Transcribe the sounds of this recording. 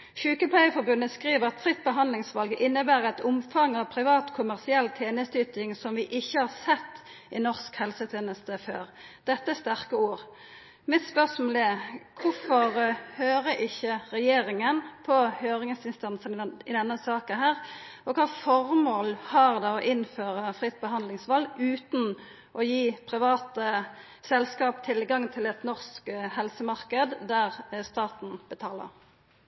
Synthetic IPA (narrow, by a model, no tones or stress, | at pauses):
çʉːkəpʰæɪəfɔɾbʉnːəskʁiːʋəʁɑt̪fʁɪt̪ːbəɦɑnd̪lɪŋsʋɑlɡəʔɪnːəbæːʁɑt̪ʊmfɑŋːɑʋpʰɾɪʋɑːt̪kʰʊmæʁsɪɛlːt̪ʰeːnəst̪yːt̪ɪŋsɔmʋɪʔɪçːəhɑʁsɛt̪ː | ʔɪnɔʁskhɛlsət̪ʰeːnəst̪əføːʁd̪̥ɛt̪ːəst̪æʁkəuːʁ | mɪt̪spœʁsmoːlɛkʰʊfɔʁhøːɾəʔɪçːəɾɛjeːʁɪŋənpʰɔhøːɾɪŋəsɪnst̪ɑnsənɪd̪ɛnːəsɑːkənɦæːʁʔɔkʰɑːfɔʁmoːlhɑːʁd̪ɛɔʔɪnføːʁəfʁɪt̪̚ːbəɦɑnd̪lɪŋsʋɑlːʉːt̪n̩ | ʔɔjiːpʰʁɪʋɑːt̪ə | sɛlskɑːpt̪ʰɪlɡɑŋt̪ʰɪlɛt̪nɔʁskhɛlsəmɑʁkəd̪d̪æʁst̪ɑːt̪n̩bət̪ʰɑːlə̰ʁ